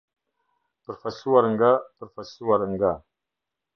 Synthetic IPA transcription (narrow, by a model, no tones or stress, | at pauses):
pəɾfasuaɾəŋɡapəɾfasuaɾəŋɡa